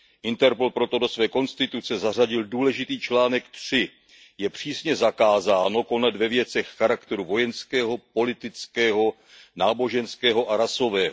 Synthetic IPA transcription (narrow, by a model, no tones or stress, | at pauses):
ʔɪnt̪ɛɾpolpɾo̞t̪o̞do̞svɛːko̞nst̪ɪt̪ut͡sɛzar̝aɟɪlduːlɛʒɪt̪iːt͡ʃlaːnɛkt̪r̝̥ɪ | jɛpr̝̥iːsɲɛzakaːzaːno̞ko̞nɛd̪vɛvjɛt͡sɛxːaɾakt̪ɛɾuvo̞jɛnskɛːɦo̞po̞lɪt̪ɪt͡skɛːɦo̞ | naːbo̞ʒɛnskɛːɦo̞ʔaɾaso̞vɛːɦo